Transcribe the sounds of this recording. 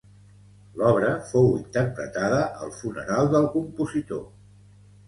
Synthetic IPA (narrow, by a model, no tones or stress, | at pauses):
lɔβ̞ɾəfowḭnt̪əɾpɾə̰t̪aðəʔəlˠfunə̰ɾalˠd̪əlˠkumpuzit̪o̰